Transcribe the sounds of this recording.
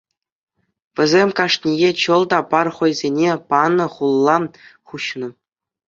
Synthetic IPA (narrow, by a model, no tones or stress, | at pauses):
ʋʲɘ̆zʲemʲkɑʂnʲijet͡ɕɤ̆lˠd̪ɑpɑrχŏjzʲenʲepɑnɤ̆χulˠːɑχuɕnɤ̆